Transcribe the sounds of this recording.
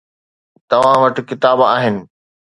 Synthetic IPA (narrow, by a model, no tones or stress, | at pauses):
t̪ɐʋ̤ãʋɐʈ̆kɪt̪aːbaːɦɪnɪ̆